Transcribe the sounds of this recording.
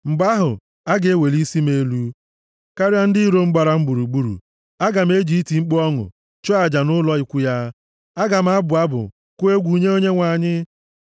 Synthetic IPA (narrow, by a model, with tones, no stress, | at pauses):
ŋ͡m̩˨ba˦ɦʊ̰˨ | a˦ɡe˨e˦we˨li˦si˦me˦lu˦ | ka˦ɾa˦n̩˦dɪ˦i˦ɾo˦ŋ͡m̩˦ɡ͡ba˨ɾa˦ŋ͡m̩˦ɡ͡bu˨ɾu˨ɡ͡bu˦ɾṵ˨ | a˦ɡa˨m̩˦e˦d͡ʒi˦i˦ti˨ŋ͡m̩˦k͡pɔ˦ŋʊ̰˨ | t͡ʃɔ˦a˨d͡ʒa˨nʊ˦lɔ˦ɪ˨kʷʊ˦ja˦ | a˦ɡa˨m̩˦a˦bʊ˨a˦bʊ̰˨ | kʊ˦e˦ɡʷu˨ɲe˦o˦ɲe˦ŋʷa˨ɲɪ˦